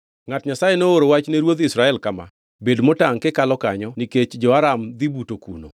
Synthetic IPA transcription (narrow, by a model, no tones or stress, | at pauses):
ŋatɲasajenooɾowat͡ʃneɾwod̪ɪsɾaɛlkama̰ | bedmotaŋkekalɔkaɲɔniket͡ʃd͡ʒɔaɾamd̪ibutokṵno̰